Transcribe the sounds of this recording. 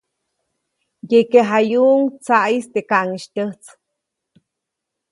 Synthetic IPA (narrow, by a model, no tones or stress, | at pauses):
jekeɦajuŋt͡saʔist̪ekaʔŋiʃt̪ʲəht͡s